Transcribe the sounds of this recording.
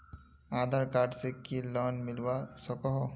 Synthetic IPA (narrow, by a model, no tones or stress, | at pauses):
ad̪ʱaɾkaɾɖsekilɔnmilwasɔkɔɦɔ